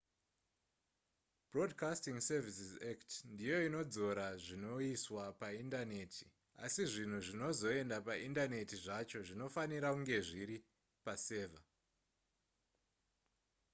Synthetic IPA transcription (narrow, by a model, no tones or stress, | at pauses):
bro̞dkastiŋsevisizaktndijo̞ino̞d͡zo̞ɾaʐino̞iswapaindane̞ːtʰi̥ | a̰siʐin̤uʐino̞zo̞e̞ndapaʔindane̞tiʐat͡ʃo̞ʐino̞faniɾakuŋɡe̞ʐiɾi | pase̞ːva